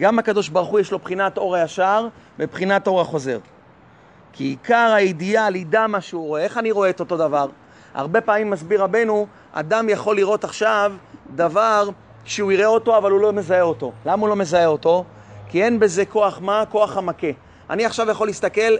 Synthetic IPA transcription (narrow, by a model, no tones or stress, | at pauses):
ɡamakad̪o̞ʃbaʁuχujeʃlo̞pχinat̪o̞ʁajaʃaʁ | mepχinat̪o̞ʁhaχo̞ze̞̰ʁ | kʰiːkaʁajid̪ialid̪amaʃeuʁoee̞χaniʁo̞eːt̪o̞t̪o̞d̪avaʁ | ha̰ʁbe̞paːmimːasbiʁabe̞nu | a̰d̪amjaχo̞lːiʁo̞t̪aχʃavd̪avaʁ | ʃeuiʁeo̞t̪o̞avalulo̞me̞zae̞o̞t̪olamaulo̞me̞zae̞o̞t̪o̞ | kie̞nbe̞ze̞ko̞aχmako̞aχamake̞ | a̰niaχʃavjaχo̞list̪ake̞l